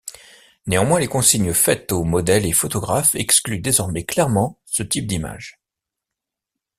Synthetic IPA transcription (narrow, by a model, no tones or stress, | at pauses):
neɑ̃mwɛ̃lekɔ̃siɲəfɛt̪omɔd̪ɛlefɔt̪ɔɡʁafɛksklyd̪ezɔʁmɛklɛʁmɑ̃sət̪ip̚d̪ima̰ʒ